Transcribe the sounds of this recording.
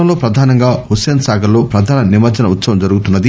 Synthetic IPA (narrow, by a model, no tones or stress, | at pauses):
ɐlo̞ːpɾɐd̪ʱaːnɐŋɡaːhuseːnsaːɡɐlo̞ːpɾɐd̪ʱaːnɐnimɐd͡ʒɐnɐut̪sɐʋɐmd͡ʒɐɾuɡut̪unːɐd̪i